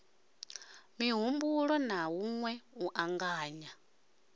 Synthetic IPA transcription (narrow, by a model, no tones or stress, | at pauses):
miɦumbuɺɔnawuŋwɛuʔaŋɡaːɲa